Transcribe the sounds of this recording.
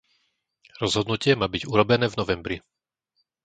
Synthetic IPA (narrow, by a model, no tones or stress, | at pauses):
ɾɔzɦɔd̪nucɪɛmaːbiɟuɾɔbɛnɛːvnɔʋɛmbɾi